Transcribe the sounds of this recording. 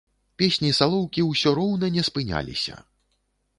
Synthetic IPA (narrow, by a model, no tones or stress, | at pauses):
pʲesʲnʲisalˠɔwkʲiwsʲɔɾɔwnɐnʲɛspɨnʲa̰lʲḭsʲɐ̰